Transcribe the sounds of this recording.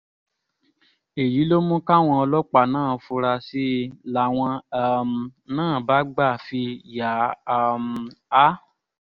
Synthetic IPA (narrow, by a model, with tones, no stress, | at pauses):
e˨ji˨˦lo˦mũ˦ka˦˨w̃ɔ̃˧ɔ˧lɔ˦k͡pa˨nãː˦˨fu˧ɾa˧si˦la˨w̃ɔ̃˧˦˨m˧nãː˦˨ba˨˦ɡ͡ba˦˨fi˧ja˨˧m˨a˦